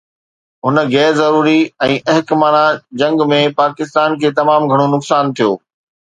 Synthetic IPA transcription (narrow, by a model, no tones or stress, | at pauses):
ɦʊnə̆ɣɛːzɐɾuːɾiɛ̃ːʔɐɦɪkmaːnãd͡ʑɐ̃ŋɡmẽpaːkɪst̪aːnkʰeːt̪ɐmaːmɡʱɐɽ̃onʊksaːnt̪ʰijo̰ː